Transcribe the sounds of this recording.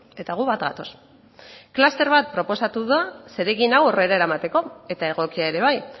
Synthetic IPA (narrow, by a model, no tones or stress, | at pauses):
e̞t̪aɣuβat̪ɣa̰t̪o̞s | klast̪e̞ɾβat̪̚pɾo̞po̞sat̪uðase̞ɾe̞ɣinawo̞re̞ɾaeɾamat̪e̞ko̞e̞t̪ae̞ɣ̞o̞kiaeɾe̞β̞aj